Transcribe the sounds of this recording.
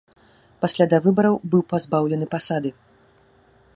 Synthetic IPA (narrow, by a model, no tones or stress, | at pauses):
pasʲlʲad̪avɨbɐɾɐwbɨwpazbawlʲɛnɨpasad̪ɨ